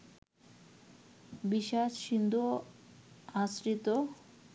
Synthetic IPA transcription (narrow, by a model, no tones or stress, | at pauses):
biʃaʃʃind̪ʱo | asɾit̪o